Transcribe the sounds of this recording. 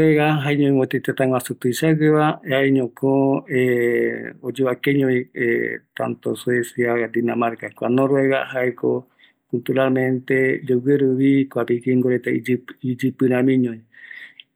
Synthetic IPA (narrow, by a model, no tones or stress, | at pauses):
eɣaɦaeɲõĩwõt̪et̪et̪aŋwasut̪uisaɡeβaaeɲõkʰõe | od͡ʒeβwakeɲõĩet̪a̰nt̪osuesjaad̪inamaɾkakʷanõɾoeɣa̰haeko | kult̪uɾalmẽnt̪ed͡ʒoɡeɾuβikoapikiŋɡoɾet̪aid͡ʒid͡ʒɨpɨɾãmĩɲõĩ